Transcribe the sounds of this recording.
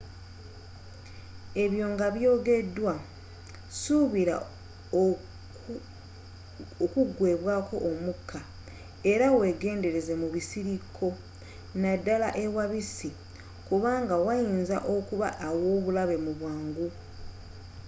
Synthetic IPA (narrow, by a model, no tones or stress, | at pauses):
e̞βjo̞ːŋɡaβjo̞ːɡe̞dːwa | suβiɾa̰ | okuɡwe̞ːβwaːko̞̰ʔːmukʰːa | e̞ɾawe̞ɡe̞ːnde̞ɾe̞zemuβisiɾikʰːo̞ | nadːalaʔe̞waβisi | kuβaːŋɡawajiːnza̰ʔokuβaʔːwo̞ːβulaβe̞muβwaːŋɡu